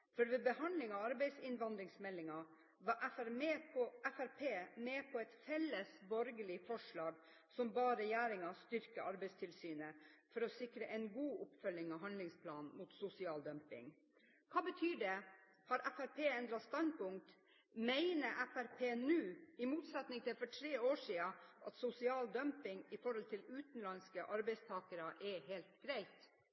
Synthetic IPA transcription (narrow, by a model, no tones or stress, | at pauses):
fɔɾʋɛbəhɑnd̪lɪŋɑɑɾbɛɪsɪnʋɑnd̪ɾɪŋsmɛlːɪŋɑ | ʋɑʔɛæɾeɔʔæfæɾpʰeːmeːpʰɔɛt̪fɛlːəsbɔɾɡəlɪfɔʂɭɑːɡ | sɔmbɑːɾəjæːɾɪŋɑst̪ʏɾkəʔɑɾbɛɪst̪ʰɪlsyːnəfɔɾɔsɪkɾəʔɛɪnɡuːʔʊpfœlːɪŋɑʋɦɑnlɪŋspʰlɑːnmuːt̪sʊsɪɑːld̪œmpɪ̰ŋ | kʰɑːbət̪ʰyːɖɛ | hɑɾʔæfæɾpʰeːɛnd̪ɾɑtst̪ɑnpʊŋ̚t̪ | mæɪnəʔæfæɾpʰeːnʉːɪmuːt̪sɛt̪nɪŋt̪ʰɪfɔʈʰɾeːoːʂiːəʔɑt̪sʊsɪɑːld̪œmpɪŋɪfɔɾhɔlt̪ʰɪlʉːt̪n̩lɑnskəʔɑɾbɛɪst̪ʰɑːkəɾɑʔɛɦelt̪ɡ̥ɾæɪt̪